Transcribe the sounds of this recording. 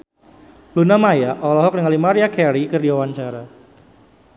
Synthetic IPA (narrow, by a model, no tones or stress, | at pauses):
lunamajaʔɔlɔɦɔk̚nəŋalimaɾiakɛɾikɨrdiwawaɲt͡ʃaɾa